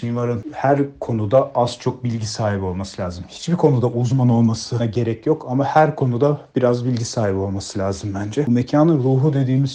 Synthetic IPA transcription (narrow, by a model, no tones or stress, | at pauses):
invaɾɯnhæɾkʰo̞nud̪aʔaz̥t͡ʃʰo̞k̚bilʲɟisaːɦibio̞lˠmasɯlʲaːzɯmhi̥t͡ʃbikʰo̞nud̪aʔuzmano̞lˠmasɯɟe̞ɾɛcjo̞kamahæɾkʰo̞nud̪ab̥iɾazbilʲɟisaːhibo̞lˠmasɯlʲaːzɯmbænd͡ʒɛme̞cʰaːnɯɾuːɦud̪e̞d̪iːmiz